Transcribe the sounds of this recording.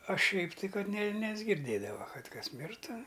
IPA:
ɐ ˈʃʲɛɪp tɐɪ ˈkɐt nʲɛ nʲɛzʲɡʲɪrʲˈdʲeːdɐʋɐ ˈkɐt ˈkɐs ˈmʲɪrtʊ

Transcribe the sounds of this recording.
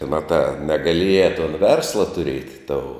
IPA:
ˈmɑːtɑː nʲɛɡɐˈlʲiɛjɛ toːn ˈʋʲɛrslˠɐ tʊˈrʲiɛtʲ toːʊ

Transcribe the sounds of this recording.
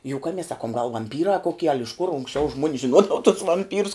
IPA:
jʊˈkɑːmʲɛs ˈsɑːkʊm ɡɐlˠ ʋɐmʲˈpʲiːrɑː koːˈkʲiɛ ɐlʲ ɪʃ kʊr ʊŋksʲˈt͡ʃʲɛʊ ʒmuɔnʲs ʒʲɪnˈuɔdɐʋɐ tʊs ʋɐmʲˈpʲiːrʊs

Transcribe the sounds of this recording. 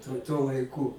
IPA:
tʊ tuɔ lˠɐɪˈkʊ

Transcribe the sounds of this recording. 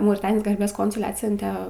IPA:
mɐʊrʲɪˈtɑːnʲɪjoːs ɡɐrʲˈbʲeːs ˈkoːnsʊlʲɛ ˈɑːtʲsʲʊnʲtʲɛ

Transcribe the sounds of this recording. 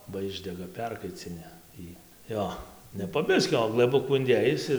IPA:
bɐ ˈɪʒʲdʲɛɡɐ ˈpʲɛrkɐɪt͡sʲɪnʲɪ ˈjiː ˈjoː nʲɛ poː ˈbʲɪsʲkʲoː oː ɡlˠɘˈbʊkuː ɪnʲˈdʲeːjɪs ɪr

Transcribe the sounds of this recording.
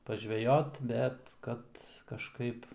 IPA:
pɐˈʒʲʋʲæːjoːt ˈbʲɛt ˈkɐt kɐʃˈkɐɪp

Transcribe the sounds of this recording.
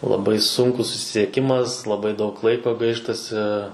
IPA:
lˠɐˈbɐɪ ˈsʊŋkʊs sʊsʲɪsʲiɛˈkʲɪmɐs lˠɐˈbɐɪ dɐʊk ˈlˠɐɪkoː ˈɡɐɪʃtɐsʲɪ

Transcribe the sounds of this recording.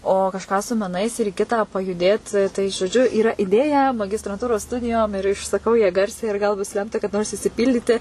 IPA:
oː kɐʃˈkɑː sʊ mʲɛˈnɐɪs ɪr ɪ ˈkʲɪtɑː pɐjʊˈdʲeːt tɐɪ ʒoːˈd͡ʒʲʊ iːˈrɐ ɪˈdʲeːjɛ mɐɡʲɪstrɐnˈtuːroːs ˈstʊdʲɪjoːm ɪr ɪʃsɐˈkɐʊ jɛ ˈɡɐrʲsʲɛɪ ɪr ˈɡɐlˠ bʊs ˈlʲɛmtɐ kɐˈdɐ noːrs ɪʃʲsʲɪˈpʲiːlʲdʲiːtʲɪ

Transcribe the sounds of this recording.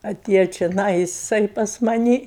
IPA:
ɐˈtʲeːjoː t͡ʃʲoːˈnɐɪ jɪˈsɐɪ pɐs mɐˈnʲɪ

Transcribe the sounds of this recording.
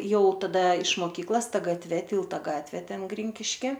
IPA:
ˈjɛʊ tɐˈdɐ ɪʃ moːˈkʲiːklˠɐs ˈtɐ ɡɐtʲˈʋʲɛ ˈtʲiːlˠtɐ ˈɡɑːtʲʋʲeː ˈtʲɛn ˈɡrʲɪŋʲkʲɪʃʲkʲɪ

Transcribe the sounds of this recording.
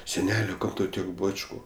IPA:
sʲɛˈnʲæːlʲoː ˈkɐm tɐʊ ˈtʲiɛk ˈbɑːt͡ʃkʊ

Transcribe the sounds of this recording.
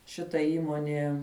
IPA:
ʃʲɪˈtɐ ˈiːmoːnʲiɛ

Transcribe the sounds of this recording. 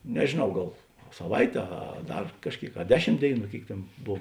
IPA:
nʲɛʒʲeːˈnɐʊ ˈɡɐlˠ sɐˈʋɐɪtʲeː ˈɐ ˈdɐr kɐʃʲˈkʲeːɪk ɐ ˈdʲæːˌʃʲɪm ˈdʲeːɪˌnuː ˈkʲeːɪk ˈtʲeːn ˈboːw

